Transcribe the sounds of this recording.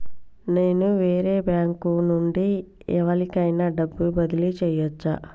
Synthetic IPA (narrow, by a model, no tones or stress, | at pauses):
ne̞ːnuʋe̞ːɾe̞ːbjaːŋkunuɳɖi | ɛʋɐlikɐjnɐɖɐbːubɐd̪ilit͡ʃɛːjʋɐt͡ʃːa̰ː